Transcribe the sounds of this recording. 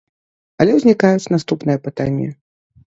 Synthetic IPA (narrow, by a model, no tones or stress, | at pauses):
ɐlʲɛwzʲnʲikajut͡sʲnast̪upnɨjɐpɨt̪anʲːɛ